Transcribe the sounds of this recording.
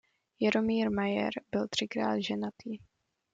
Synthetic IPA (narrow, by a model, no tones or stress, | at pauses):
jaɾomiːɾmajɛ̰ɾbɪlt̪r̝̥ɪkɾa̰ːd̪ʒɛnat̪ʰiː